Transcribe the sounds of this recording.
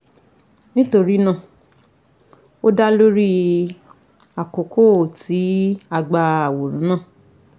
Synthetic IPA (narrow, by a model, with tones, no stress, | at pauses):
nĩ˦to˧ɾi˦nã˦˨ | o˦da˦lo˦ɾi˦ | a˨ko˨kʰo˦˨ti˨˦a˧ɡ͡ba˧a˨wo˨ɾ̃ũ˨˦nãː˦˨